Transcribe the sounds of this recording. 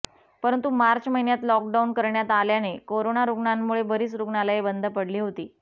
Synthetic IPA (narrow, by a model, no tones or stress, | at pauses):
pəɾənt̪umaɾt͡ɕməɦinjat̪lɔk̚ɖaunkəɾɳjat̪aljanekoɾonaɾuɡɳanːuɭebəɾiːt͡sɾuɡɳalaɦebənd̪ʱəpəɽliːɦot̪iː